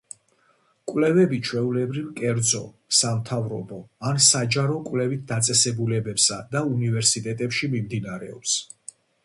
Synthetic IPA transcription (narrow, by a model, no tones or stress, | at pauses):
kʼwlɛvɛbit͡ʃʰwɛulɛbɾivkʼɛɾd̪zɔ̰ | samt̪ʰavɾɔbɔansad͡ʒaɾɔkʼwvlɛvit̪̚ʰd̪at̪sʼɛsɛbulɛbɛpsad̪aunivɛɾsit̪ʼɛt̪ʼɛpʃimimd̪inaɾɛ̰ɔ̰ps